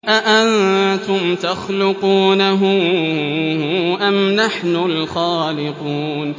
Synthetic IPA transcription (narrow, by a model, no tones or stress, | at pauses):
ʔaʔant̪ʊmt̪axlʊquːnaɦʊ | ʔamnaħnʊlxaːlɪquːn